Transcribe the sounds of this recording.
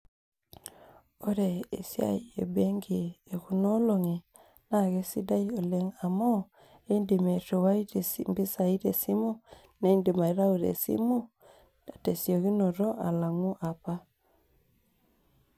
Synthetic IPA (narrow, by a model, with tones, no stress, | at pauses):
o˦ɾe˨ḛ˨sja̰˦iḛ˨be˦ŋɡi˨e˨ku˦no˦lo˨ŋe˨ | na˦˨ɣe˦si˦da˦io˨le˦ŋa˨mɔ˦ | e˦i˦ndi˨me˨to˨wa˦i˦te˨si˦˨mbi˦sa˨i˦ɾe˨si˦mu˦ | ne˨˦i˦ndi˨ma˨i˦ɾa˦u˨ɾḛ˨sḭ˦mu˦ | a˨te˨sjo˨ki˦no˨ɾo˦ʔa̰˨la˨ŋu˦ʔa˨pa˦